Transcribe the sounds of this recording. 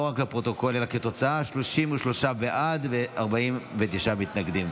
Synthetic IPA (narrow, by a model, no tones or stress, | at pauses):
oʁaklepʁo̞t̪o̞ko̞lelaket̪o̞t͡saaʃloʃimuʃlo̞ʃaveʔad̪veaʁbaimvet̪iʃamit̪naɡd̪im